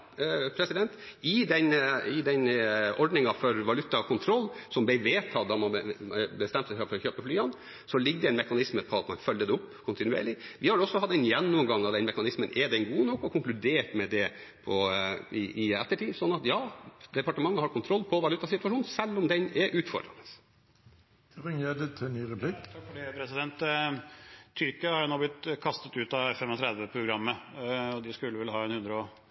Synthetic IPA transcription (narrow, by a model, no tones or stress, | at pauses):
pʰɾɛsɪd̪ɛnt̪ɪd̪ɛnɪd̪ɛnɔɖnɪŋɑfɔɾʋɑlʉt̪ːɑkʰʊnt̪ʰɾɔlːsɔmb̪ɛɪʋeːt̪ʰɑːd̪ɑmɑnbəst̪ɛmt̪sɛɪfɾɑfɔɾɔçøːpəflyːɑn | sɔlɪɡ̚d̪ɛɛnmɛkɑnɪsməpʰɔɑt̪mɑ̰nfœlːəd̪ɛʊpːkʰʊnt̪ɪnʉḛːɾɭɪʋɪhɑɖɛɔsːɔhɑt̪ːɛnjɛnːʊmɡɑŋːɑʋd̪ɛnmɛkɑnɪsmənʔɛd̪ɛnɡuːnɔkːɔkʰʊŋklʉd̪eːʈmɛd̪ɛ | pʰɔɪʔɪɛ̰t̪ːəʈiːsɔnːɑt̪jɑːd̪ɛpɑʈəmɑŋːəhɑɾkʰʊnt̪ʰɾɔlːpʰɔʋɑlʉːt̪ɑsɪt̪ːʋɑʂuːnsɛlːɔmd̪ɛnɛɾʔʉːt̪fɔ̰ɖ̪ɾɑ̰nəs | ʁɪŋəd̪ɪt̪ʰːɪnyːɾɛpʰlɪkt̪ʰɑkfɔɖepʰɾɛsɪd̪ɛnt̪ | ʏɾkəɑhɑjnɔblɪt̪ːkʰɑst̪ət̪ʉːt̪ɑfɛmɔt̪ʰɾɛd̪ʋəpʰɾʊɡɾɑmːəɔd̪ɪskʉlːəʋɪlːəhɑːɛnhʉnd̪ɾəo